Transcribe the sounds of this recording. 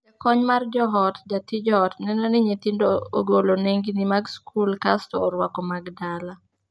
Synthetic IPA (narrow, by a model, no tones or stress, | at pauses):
d͡ʒakɔɲmard͡ʒɔɦɔtdatid͡ʒɔɦɔtnɛnɔnɪɲet̪indooɡoloneŋɡinɪmaɡskʰulkastɔːɾwakɔmaɡdala